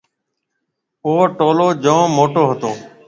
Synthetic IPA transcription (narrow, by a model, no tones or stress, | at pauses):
oːʈoːloːd͡ʒõːmoːʈoːɦət̪oː